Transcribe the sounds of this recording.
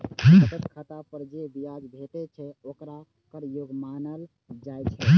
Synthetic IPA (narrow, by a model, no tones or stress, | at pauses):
ɦt̪ət̪kʰət̪apəɾd͡ʒebiad͡ʒbʱet̪ɛt͡ʃʰɛokɾa | kəɾjoɡmanəl | d͡ʒajt͡ʃʰɛ